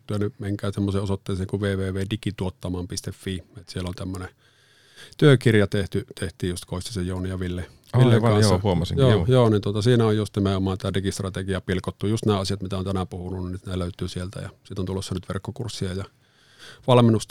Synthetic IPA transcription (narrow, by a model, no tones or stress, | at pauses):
t̪yønymeŋkæːsemːoseːosot̪ːeˑːseːŋkuʋeːʋeːʋeːdikit̪uot̪ːɑmɑːmpist̪efːiːet̪sielːont̪æmːøne | t̪yøkirjɑt̪eht̪yt̪ʰeht̪ˑiːjust̪koˑist̪ɑsejjoːnijɑʋilːe | ilːeŋkɑnsːɑhuomɑsḭŋjoːjoːnint̪uot̪ɑsiːnæojjust̪nimeomɑːnt̪ædikist̪rɑt̪ekiɑpilkot̪ːujust̪næːɑsijɑt̪mit̪æont̪ænæpuhununnisneløˑyt̪yːsielt̪æ̰jɑ̰sit̪ːont̪ulːˑosːɑnyt̪ʋḛrkːokursːiɑjɑ | ʋɑlminːust̪